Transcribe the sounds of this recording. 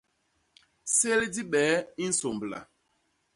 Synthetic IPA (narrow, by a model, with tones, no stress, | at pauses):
se˦ldi˦ɓɛː˨˦i˦n̩˦so˨mbla̰˨